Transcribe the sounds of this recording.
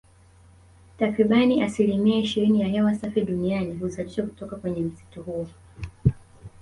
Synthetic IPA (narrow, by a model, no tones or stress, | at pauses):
takɾiɓaniʔasilimiaiʃiɾinijaɦɛwasafiɗunianiɦuzaʄiʃɔku̥tɔkakwɛɲɛm̩si̥tɔhuɔ